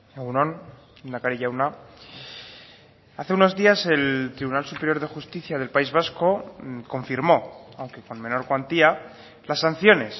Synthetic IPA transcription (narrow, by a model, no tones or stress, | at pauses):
eɣunõn | unakaɾiʎauna | aθe̞uno̞zðiase̞lt̪ɾiβunalsupe̞ɾjo̞ɾðe̞xust̪iθjað̞e̞lpaizβ̞asko̞ko̞ɱfiɾmo̞awŋke̞ko̞nmẽ̞no̞ɾkwant̪ia | lasːanθjo̞ne̞s